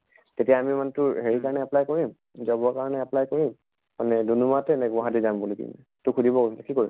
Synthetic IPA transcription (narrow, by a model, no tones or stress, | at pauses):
tetijaːmimantʊɹɦeɹikaɹnɛaplajkoɹim | zɔbɔakaɹɔnɛaplajkoɹim | manɛdunumatɛnɛɡaɦadizambulikḭmnɛ̰ | tʊkʰudʱibɔkosilɛkikoɹim